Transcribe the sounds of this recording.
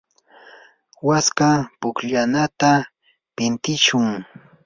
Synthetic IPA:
waskapʊkʎanat̪a | pɪnt̪ɪʃʊŋ

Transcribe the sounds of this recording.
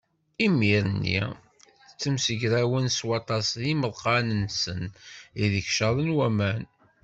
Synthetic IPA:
imiɾnːḭ | t͡sːəmsəʝɾæwənswɑt̪ˤɑsðiməðˤqɑnənːsəniðəçʃəðˤənwæmæn

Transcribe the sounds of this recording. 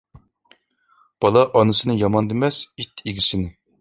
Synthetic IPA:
b̥ɑlˠɑʔɑnɨsɨnɨjɑmɑnd̪ɪmɛsit̪ʰːiɡʲisɪnɪ

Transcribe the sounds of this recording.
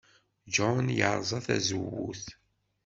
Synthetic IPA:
d͡ʒɔnjəɾˤzˤɑθæ̰zəwːuθ

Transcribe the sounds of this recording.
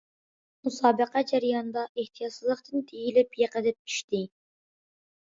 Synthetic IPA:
musɑːbəqɑd͡ʒæɾjɑnd̪ɑʔeht̪ʰijɑt̪sɨzlˠəqt̪ɨnt̪ʰejilɪpjeqəd̪ɪp̚ʰy̥ʃt̪ɪ

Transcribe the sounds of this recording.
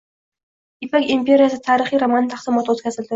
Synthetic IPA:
ipakimpʲʰeɾʲijasə̆t̪ʰaːɾiːχiːrɔmant̪ʰaχsə̆mɔt̪ʊːt͡skasə̆ɮt̪ʊ

